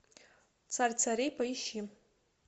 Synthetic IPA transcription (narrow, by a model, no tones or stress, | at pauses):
t͡sʰart͡sʰaɾejpʰaiʃi